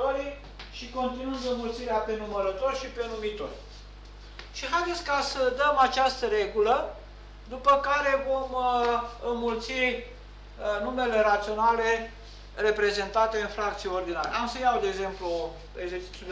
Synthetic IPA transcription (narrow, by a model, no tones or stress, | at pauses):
oɾi | ʃiko̞nt̪inuɨnd̪ənmult̪siɾeape̞numəɾət̪o̞rʲʃipe̞numit̪o̞rʲ | ʃiɦajd̪e̞t̪sʲkasəd̪əmat͡ʃast̪əɾe̞ɡulə | d̪upəkaɾe̞vo̞m | ɨnmult̪si | nume̞le̞ɾat̪sio̞nale̞ | re̞pɾe̞ze̞nt̪at̪e̞ɨnfɾak̚t̪sijeo̞rd̪ina̰ɾḛamsəjawd̪eeɡze̞mplu | eɡzet͡ʃi̥t̪u